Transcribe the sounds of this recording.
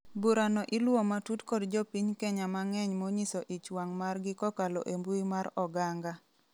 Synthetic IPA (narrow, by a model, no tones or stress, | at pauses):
buɾanɔʔɪlwomatutkɔdd͡ʒɔpiɲkɛɲamaŋɛɲmoɲisɔʔit͡ʃwaŋmarɡɪkɔkalɔ̰ʔembuimaɾɔɡaŋɡa